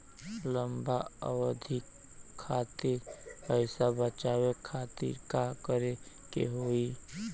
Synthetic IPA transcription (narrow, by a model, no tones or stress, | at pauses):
ləmbaə̰wəd̪ʱikʰː | aːt̪iɾpəɪsabət͡ʃawekʰaːt̪ḭɾkakəɾe | kḛɦoːi